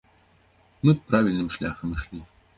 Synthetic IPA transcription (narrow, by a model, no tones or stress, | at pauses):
mɨpɾavʲilʲnɨmʂlʲaxɐmɨʂlʲi